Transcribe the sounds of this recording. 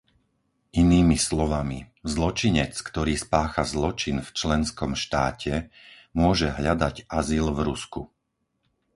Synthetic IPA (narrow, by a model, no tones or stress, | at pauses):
ʔiniːmislɔʋamḭ | zlɔt͡ʃiɲɛt͡skt̪ɔɾiːspaːxazlɔt͡ʃinft͡ʃlɛnskɔmʃt̪aːcʰɛ | mʊɔʒɛɦʎad̪aɟʔazilvɾusku